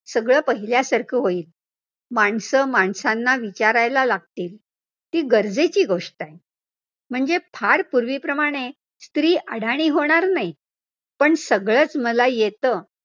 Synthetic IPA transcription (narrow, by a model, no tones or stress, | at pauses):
səɡɭəːpəɦiljasəɾkʰiːɦoiːl | maɳsəmaɳsanːaʋit͡ɕaɾajlalaɡ̚t̪iːl | t̪iːɡəɾd͡zet͡ɕiːɡoʂʈaj | m̤əɳd͡zepʰaɽpuɾʋiːpɾəmaɽ̃e | st̪ɾiːʔaɽaɽ̃iːɦoɽ̃aɾnaj | pəɳsəɡɭəːt͡sməlajet̪ə